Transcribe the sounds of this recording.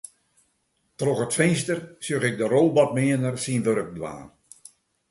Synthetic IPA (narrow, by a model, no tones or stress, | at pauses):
troxətfɪnstərsjøɣɪk̚dəɾolˠbɔt̚mɪənərsinʋøɾək̚dʋa̰ːn